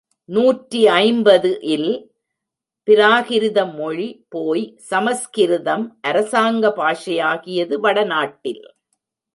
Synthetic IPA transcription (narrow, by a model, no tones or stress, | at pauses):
nuːʈriɐɪmbɐðɯʔɪl | pɪɾaːɣɪɾɯðɐmːɔɻipoːjsɐmɐskɪɾɯðɐmʔɐɾɐsaːŋɡɐpaːʂɐjaːɣɪjɐðɯʋɐɽɐnaːʈːɪl